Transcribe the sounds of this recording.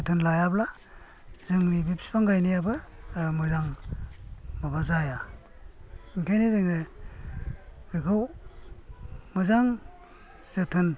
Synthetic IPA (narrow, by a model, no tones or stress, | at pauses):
ɯtʰɯnlajabla | zɯŋnibipspaŋɡajnijabɯmɯzaŋ | mabazaja | iŋkʰajnizɯŋɯ | ɯkʰɯw | mɯzaŋ | z̥ɯtʰɯn